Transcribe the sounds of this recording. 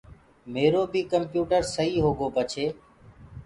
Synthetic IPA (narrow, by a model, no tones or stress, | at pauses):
meːɾoːbʱiːkəmpjuːʈəɾsəɦiːɦoːɡoːpət͡ʃʰeː